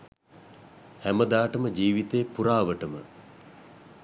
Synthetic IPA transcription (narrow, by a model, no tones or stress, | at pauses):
hæməd̪aːʈəməd͡ʒiːʋit̪eːpuɾaːʋəʈəmə